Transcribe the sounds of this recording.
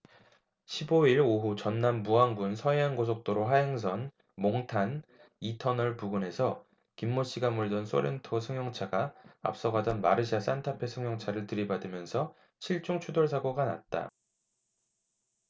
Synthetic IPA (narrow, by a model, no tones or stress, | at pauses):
ɕʰiboiɾoɦut͡ɕʌnːambuɦanbunsʰʌeɦanɡosʰok̚t͈oɾoɦaɦeŋs̬ʰʌn | moŋtʰan | itʰʌnʌɭpuɡɯne̞sʰʌ | kimːoɕ͈iɡamuɭdʌns͈ʰo̰ɾe̞ntʰosʰɯŋjʌŋt͡ɕʰaɡaa̰p̚s͈ʌɡadʌnma̰ɾɯɕ̬ʰias͈antʰapʰe̞sʰɯŋjʌŋt͡ɕʰaɾɯɭtɯɾibadɯmjʌnsʰʌ | ɕʰiɭt͡ɕ͈uŋt͡ɕʰudoɭs̬ʰaɡoɡana̰t̚t͈a̰